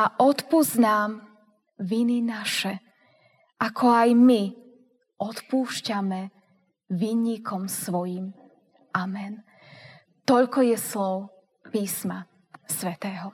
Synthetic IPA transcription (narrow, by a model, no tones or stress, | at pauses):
aʔɔt̪puznaːm | ʋininaʃɛ | ʔakʰɔajmi | ɔt̪puːʃcamɛ | ʋiːɲikʰɔmsʋɔjiːm | ʔamɛn | t̪ɔʎkɔjɛslɔʊ | piːsma | sʋɛt̪ɛːɦɔ